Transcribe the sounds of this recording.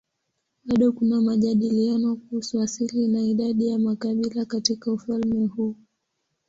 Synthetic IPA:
ɓaɗɔkunamaʄaɗilianɔkuhusuasilinaiɗaɗijamakaɓilakatikaufalmɛhuː

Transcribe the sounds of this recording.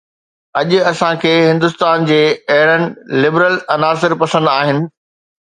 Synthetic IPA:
ɐʄʊɐsãkʰeːɦɪ̃nd̪ʊst̪aːnd͡ʑeːɐɦɪɾənɪ̆lɪbɾəlɐnaːs̬ɪɾpɐsə̃nd̪aːɦɪnɪ̆

